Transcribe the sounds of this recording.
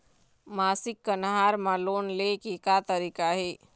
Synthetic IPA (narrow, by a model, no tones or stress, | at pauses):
maːsɪkːənɦaːɾmãloːnlekeːkat̪əɾiːkaɦeː